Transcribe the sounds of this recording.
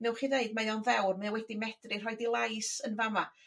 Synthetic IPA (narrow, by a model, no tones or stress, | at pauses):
nɛwχiːðeɨdmajɔnvɛwrmajawɛdimɛd̥rɪr̥ɦɔjdilˠajsənvama